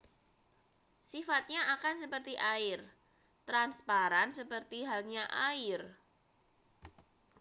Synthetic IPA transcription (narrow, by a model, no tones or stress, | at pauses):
sifat̪̚ɲaakansəpərt̪iʔaɪr | t̪ɾanspaɾansəpərt̪iɦalɲaʔaɪr